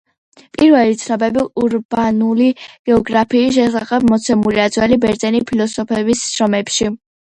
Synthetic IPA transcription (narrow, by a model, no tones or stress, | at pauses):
pʼiɾvɛlit̪sʰnɔbɛbiuɾbanuliɡ̥ɛɔɡɾapʰiːʃ̬ɛsaχɛb̚mɔt̪sʰɛmuɾiad̪zwɛlibɛɾt̪sʼɛnipʰilɔsɔpʰɛbissɾɔmɛpʃi